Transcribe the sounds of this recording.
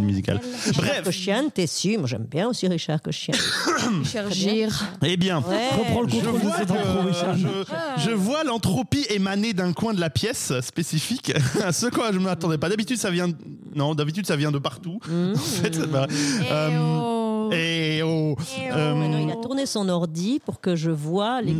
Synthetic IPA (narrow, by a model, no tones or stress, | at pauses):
myzika̰lbʁɛfkɔʃjant̪ɛsimwaʒɛ̰mbjɛ̃osiʁiʃaʁkɔʃja | ʃaʁʒiʁebjɛ̃ʁəpχɑ̃ləʒkɔ̃t̪əvəsɛt̪ovisaəʒəvwalɑ̃t̪χopiemaned̪ɛ̃kwɛ̃d̪əlapjɛsspesifiksəkwaʒəmat̪ɑ̃d̪ɛpad̪abit̪yd̪savjɛ̃ | nɔ̃d̪abit̪̬yd̪savjɛ̃d̪əpaʁt̪uɑ̃fɛt̪vaøm | eoømilat̪uʁnesɔ̃nɔʁd̪ipuʁkəʒəvwale